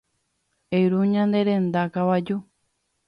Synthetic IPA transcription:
ejɾuɲãnd̪eɾend̪akawad͡ʒu

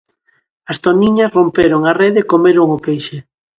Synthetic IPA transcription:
ɐst̪oniɲɐsrompeɾoŋareðekomeɾʊŋʊpejʃɪ

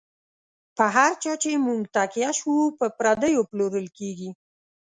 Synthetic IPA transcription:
pəɦaɾt͡ʃɑt͡ʃemuŋɡt̪akjaʃupəpɾad̪əjoploɾəlkeɡi

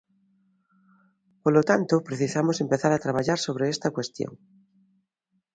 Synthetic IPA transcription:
polot̪ant̪opɾeθisamosempeθaɾat̪ɾaβ̞aʎaɾsoβ̞ɾeest̪ɐkwest̪jo̰ŋ

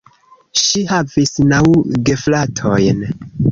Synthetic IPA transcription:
ʃihavisnawɡe̞flatʰojn

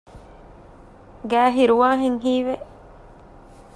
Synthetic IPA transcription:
ɡæːɦiɾuʋaːɦeŋɦiːʋeʔ

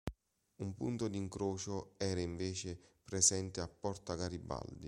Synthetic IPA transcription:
umpunt̪od̪iŋkɾoːt͡ʃoɛːɾaiɱveːt͡ʃɪpɾesɛnt̪ɪapːɔrt̪akaɾibːa̰ld̪ḭ

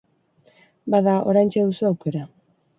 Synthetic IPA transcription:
baðao̞̰ɾajnt͡ʃeðusuawke̞ɾa

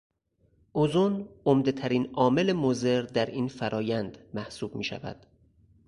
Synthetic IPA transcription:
ʔozunomd̪e̞t̪ʰæɾiːnɒːme̞lemoze̞ɾd̪æɾʔiːnfæɾʔɒːjænd̪mæhsuːbmiːʃæ̰væ̰d̪̥

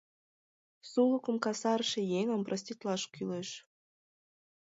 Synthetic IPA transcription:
sulukə̆mkɑsɑɾʃĕjeŋə̆mprʔəs̬ʲt̪ʲit̪lɑʃkyleʃ

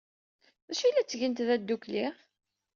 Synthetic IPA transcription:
ðæʃilːæt͡sːʝənt̪ðæd̪ːukliʁ

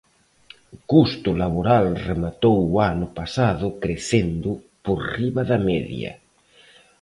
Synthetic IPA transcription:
kust̪ʊlaβoɾalremat̪owwanʊpasaðʊkɾeθend̪ʊ | poɾriβaðameðj̰ɐ̰

